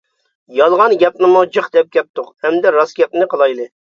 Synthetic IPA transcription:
jɑlˠʁɑnɡʲɛp̚nɨmud͡ʒɨχd̪ɛp̚ɡʲɛp̚t̪ʰːoqhɛmd̪ɛɾɑsɡʲɛpnnɨqʰəlˠɑjlˠɨ

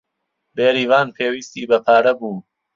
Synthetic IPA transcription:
beːɾiːvaːnpʰeːwiːst̪iːbɐpʰaːɾɐbuːn

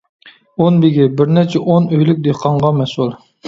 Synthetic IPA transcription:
onbɪɡʲibɪɾnɛt͡ʃʰɛʔonøjlɪk̚ʲd̪eqʰɑɴʁɑmɛsulˠ

